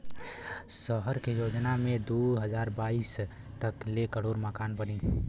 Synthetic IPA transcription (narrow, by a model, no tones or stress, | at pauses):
səɦəɾkejoːd͡ʒnamẽd̪uɦəd͡ʒaːɾbaːis | t̪əklekəɽoːɾməkaːnbənĩ